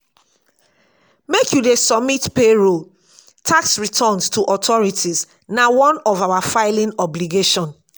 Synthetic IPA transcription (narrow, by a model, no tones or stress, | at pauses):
mekjudesɔb̚mitpeɹol | tʰaksɹitʰɔnstʰuʔɔtʰɔɹitʰiz | nawɔ̃nɔvawafaɪlĩnɔbliɡeʃɔ̃n